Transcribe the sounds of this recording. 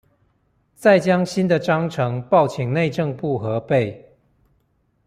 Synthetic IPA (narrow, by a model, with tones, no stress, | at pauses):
t͡sa˥˩ɪt͡ɕjɑ˦ŋɕi˦nd̪ə˨ʈ͡ʂɑ˦ŋʈ͡ʂʰɤ˧˦ŋpɑ˥˨ʊt͡ɕʰi˨˩˦ŋne˥˧ɪʈ͡ʂɤ˥˧ŋpu˥˨xɤ˨˦pe˥˨ɪ